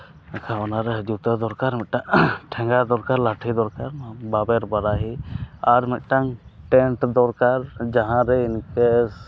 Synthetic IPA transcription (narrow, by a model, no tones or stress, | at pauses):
ɛkʰaɔnaɾɛd͡ʒut̪ad̪ɔɾkaɾmit̪̚ʈaŋʈʰɛ̃ŋɡad̪ɔɾkaɾlaʈʰid̪ɔɾkaɾbabɛɾbaɾaɦiaɾmit̪̚ˀʈaŋʈɛɳʈd̪ɔɾkaɾd͡ʒaɦãɾɛinkɛ